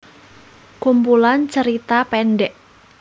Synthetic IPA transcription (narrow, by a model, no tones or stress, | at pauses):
kumpulant͡ʃəɾit̪apɛnɖɛʔ